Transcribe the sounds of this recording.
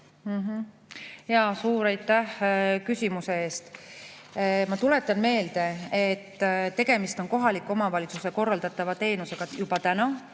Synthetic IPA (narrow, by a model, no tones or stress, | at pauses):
m̩ɦ̩ | jɑsuːɾɑjt̪ːæhkysʲimuse̞e̞ːst̪ | mɑt̪ule̞t̪ːˑɑnme̞ːld̪̥e̞et̪ːt̪ːe̞ɡ̥e̞mist̪o̞nko̞ɦɑlikːˑo̞mɑvɑlʲit̪suse̞ko̞rːɑld̪̥ɑt̪ːˑɑvɑt̪e̞ːnuse̞ɡ̥ɑjub̥ɑt̪ænɑ